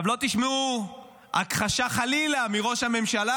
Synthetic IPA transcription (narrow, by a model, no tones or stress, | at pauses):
vlo̞t̪iʃmeu | a̰kχaʃaχalilamiʁo̞ʃhame̞mʃala